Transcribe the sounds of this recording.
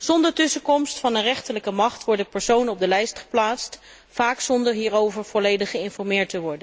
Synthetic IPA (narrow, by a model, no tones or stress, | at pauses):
z̥ɔndəɹtɵsəkɔmstfɑnənrɛχtələkəmɑχtʋɔɹdəpɛɹsownəɔb̚dəlɛjstχə̥plaːtst | faːksɔndəɹɦiːɹowvəɹv̥ɔlejdəχəɪnfɔɹmɪːɹtəʋɔɹdə